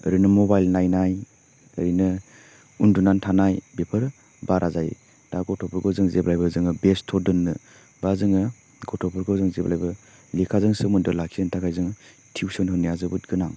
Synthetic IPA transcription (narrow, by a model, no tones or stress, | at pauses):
ə̰ɾinɯmɔbajlnajnaj | ə̰ɾinɯ | undunantʰanajbepʰəɾ | baɾʔazaj | daɡɔtʰɔpʰɔɾɡɔzɯŋzeblajbɯzɯŋɯbestʰɔdɯnːɯ | bazɯŋɯ | ɡɔtʰɔpʰɔɾɡɔzɯŋzeblajbɐ | likʰazɯŋsɯmundɯlakʰizɯntʰakʰajzɯŋ | tʰiwsɔnɦɯnijazɯbɯt̚ɡɯnaŋ